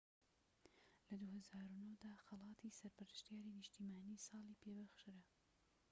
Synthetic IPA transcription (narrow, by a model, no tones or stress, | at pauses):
lɐd̪uhɐzaːɾunowd̪aːxɐlɑːt̪ʰisɐɾpɨɾɨʃt̪ijaːɾinɪʃt̪iːmaːniːsɑːlipʰebɐxʃɨɾɐ